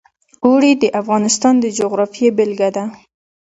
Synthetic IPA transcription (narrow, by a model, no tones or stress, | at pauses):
oɽid̪əʔafɣɑnɪst̪ɑnd̪əd͡ʒoɣɾɑfijebɪlɡad̪a